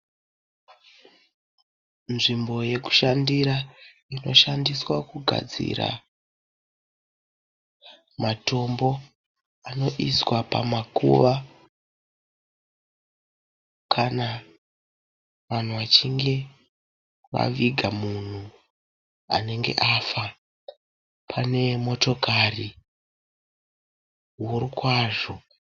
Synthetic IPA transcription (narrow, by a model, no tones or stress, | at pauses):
nʐimbo̞je̞ku̥ʃandiɾa | ino̞̰ʃandiswakuɡʱa̰d͡zḭɾa̰ | mato̞mbo̞ | ano̞ʔiswapa̰makṵʋa | kʰana | ʋan̤uʋat͡ʃiŋɡe̞ | ʋa̰ʋiɡʱamun̤u | a̰ne̞ŋɡe̞̰ʔafa | pʰane̞mo̞to̞kari | wurikwaːʐo